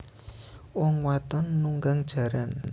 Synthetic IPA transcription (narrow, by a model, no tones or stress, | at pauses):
wɔŋwat̪ɔnːuŋɡaŋd̥ʒ̥a̤ɾan